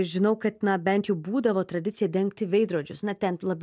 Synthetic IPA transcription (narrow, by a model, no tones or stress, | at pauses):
ʒʲɪnɐʊkɐt̪nɐbʲɛnʲt̪jɛbuːd̪ɐʋoːt̪ɾɐd̪ʲɪt̪sʲɪjɛd̪ʲɛŋkt̪ʲɪʋʲɛɪd̪ɾoːd͡ʒʲʊ̰snɐt̪ʲɛnlˠɐbʲ